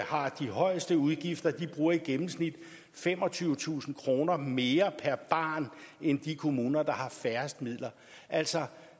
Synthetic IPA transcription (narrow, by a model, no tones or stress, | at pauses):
hɑ̈d̥iɦɒ̽ɪsd̥əuð̞ˠɡ̥ifd̥ɐd̥ib̥ʁuːɐiɡ̥emm̩snid̥ | fem̰ɒ̽t͡sʰyːʊt͡sʰṵːsn̩kʰʁo̝ːnɐme̝ːɐpʰæɐb̥ɑ̰̈ːnend̥ikʰo̝muːnɐd̥ɑ̈hɑ̈fæɐsd̥mið̰ˠlɐ | ʔæl̰sɒ̽